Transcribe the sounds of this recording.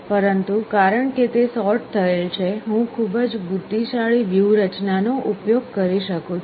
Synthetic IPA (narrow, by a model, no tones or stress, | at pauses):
pəɾənt̪ukaɾəɳket̪esɔɾʈ̚t̪ʰəelt͡ʃʰeɦũkʰubəd͡ʒbud̪ʱːiʃaɭiʋjuwɾət͡ʃnanoʔupjoɡ̚kəɾiʃəkũ